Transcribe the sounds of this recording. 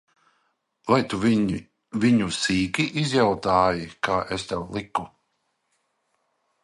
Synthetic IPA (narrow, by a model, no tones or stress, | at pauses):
vajt̪uv | viɲusiːkiʔizjawt̪aːjikʰaːʔest̪ɛwlˠiku